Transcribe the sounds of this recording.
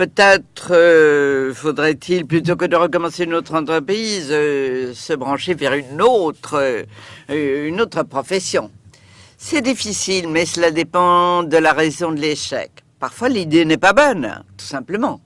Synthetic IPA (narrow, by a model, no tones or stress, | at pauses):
pøt̪ɛt̪χə | fod̪ʁɛt̪ʰilplyt̪okəd̪əʁəkɔmɑ̃seynot̪χɑ̃t̪χəpχiz | səbʁɑ̃ʃevɛʁynot̪χə | ynot̪χəpχɔfɛsjɔ̃ | sɛd̪ifisilmɛsəlad̪epɑ̃d̪əlaʁezɔ̃d̪əleʃɛ̰kpaʁfwalid̪enɛpabɔnt̪u̥sɛ̃pləmɑ̃